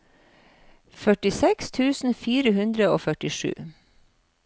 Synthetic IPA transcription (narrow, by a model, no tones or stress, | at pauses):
fœʈɪsɛkst̪ʰʉːsn̩fiːɾəhʉnd̪ɾəoːfœʈɪʂʉ̰ː